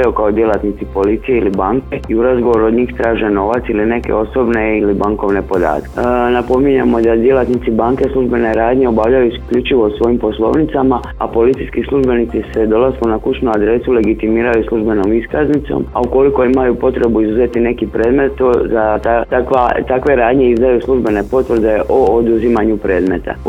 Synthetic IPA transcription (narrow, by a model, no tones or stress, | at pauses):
jukaod̪je̞lˠat̪nit̪ipo̞lit̪sije̞ilibaŋke̞iuɾazɡo̞ʋo̞ɾuod̪ɲiːxt̪ɾaːʒeno̞ʋat̪siline̞ke̞̰o̞so̞bne̞ilibaŋko̞ʋne̞po̞d̪a̰ːt̪knapo̞miɲamo̞d̪ad̪je̞lat̪nit̪sibaŋke̞slˠuʒbe̞ne̞ɾaːd̪ɲe̞o̞baʋʎajuskʎut͡ʃiʋo̞sʋo̞jimpo̞slˠo̞̰ːʋnit̪sama | a̰po̞lit̪sijskislˠuʒbe̞nit̪sise̞d̪o̞laskunakut͡ʃnuad̪ɾe̞sule̞ɡit̪imiːɾajuslˠuʒbe̞no̞miskaznit̪so̰ma̰uko̞liko̞imajupo̞t̪ɾe̞buizuze̞t̪ine̞kipɾe̞ːd̪me̞t̪ozat̪at̪akʋat̪akʋe̞ɾaːd̪ɲe̞izd̪ajuslˠuʒbe̞ne̞po̞t̪ʋr̩ɾd̪e̞ʔoːd̪uzimaɲupɾe̞ːd̪me̞t̪a̰